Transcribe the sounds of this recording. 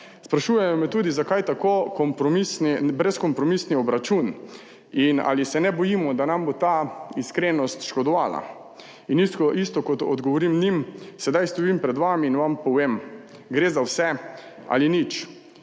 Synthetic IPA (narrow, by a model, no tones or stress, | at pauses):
spɾaʃuːjɛmɔmɛt̪uːd̪izakajt̪akokɔmpɾɔmisnibɾɛskɔmpɾɔmisniɔbɾat͡ʃun | ina̰lisɛnɛbɔjiːmɔd̪anambot̪aiskɾenɔst̪ʃkɔd̪ɔʋaːla̰ | inist̪kɔʔist̪ɔkɔt̪ɔ̰d̪ɡɔʋɔɾimnimsɛd̪ajst̪ɔjimpɾɛd̪ʋamiːnʋampɔʋem | ɡɾezawsɛa̰linit͡ʃ